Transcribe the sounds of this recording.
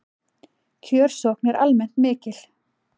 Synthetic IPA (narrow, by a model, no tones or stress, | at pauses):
cʰœːɾ̥sɔhknɛɾʔa̰lmɛn̥t̪mɪːcɪl